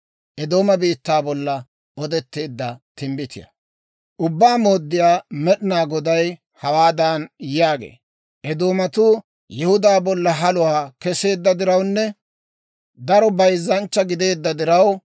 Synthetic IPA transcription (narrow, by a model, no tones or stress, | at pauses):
ʔɛd̪oːmɐbiːt̪ːaːbɔlːɐ | ɔd̪ɛt̪ːe̞ːd̪ːɐt̪ɪmbɪt̪ɪjɐ̰ | ʔʊbːaːmo̞ːd̪ːɪjaːmɛɗɪnaːɡɔd̪ɐj | hɐwaːd̪anjaːɡḛː | ʔɛd̪o̞ːmɐt̪ʊ | jɛhʊd̪aːbɔlːɐɦɐlʊwaːkɛse̞ːd̪ːɐd̪ɪɾɐwnːɛ | d̪ɐɾɔbɐjzːɐnt͡ʃːɐɡɪd̪e̞ːd̪ːɐd̪ɪɾɐw